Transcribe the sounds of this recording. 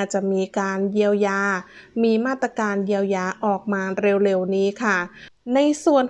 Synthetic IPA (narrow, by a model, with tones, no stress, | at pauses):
t͡ɕa˨˩ʔmiː˧kaː˧nji˧əwjaː˧miː˧maː˥˩t̪ɾa˧kaː˧nji˧əwjaː˧ʔɔː˨˩k̚maː˧ɾe˧wɾe˧wniː˦˥kʰa˥˩na˧jsu˨˩ən